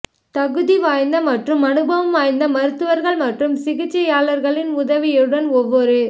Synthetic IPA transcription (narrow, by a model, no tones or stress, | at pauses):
t̪ɐɣɯðiʋaːjnd̪ɐmɐʈrɯmɐnɯbɐʋɐmʋaːjnd̪ɐmɐɾɯt̪ːɯʋɐɾɣɐɭmɐʈrɯmsɪɣɪt͡ʃːɐjaːlɐɾɣɐɭɪnʊðɐʋɪjɯɽɐnɔʋːɔɾɯ